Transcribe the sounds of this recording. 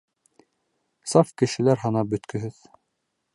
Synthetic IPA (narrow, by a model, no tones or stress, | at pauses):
sɑfkɘ̆ʃɘ̆læɾɦɑnɑbɵ̆t̪kɵ̆ɦɘð